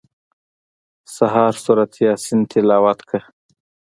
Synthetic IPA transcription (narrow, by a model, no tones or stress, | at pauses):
saɦɑɾsuɾat̪jɑsɪnt̪ʰɪlɑːwat̪kʰə